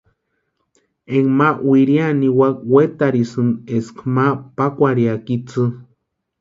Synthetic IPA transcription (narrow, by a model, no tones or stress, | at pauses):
eŋmawiɾianiwakwet̪aɾisɨneskʰmapakʷaɾiakit͡sɨ